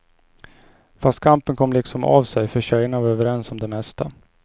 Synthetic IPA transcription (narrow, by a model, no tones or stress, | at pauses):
fast̪̚kʰampənkʰɔmːlɪksɔma̰ːvsɛjfœɕœjəɳavaɾøːvəɾɛnsɔmd̪ɛmɛst̪a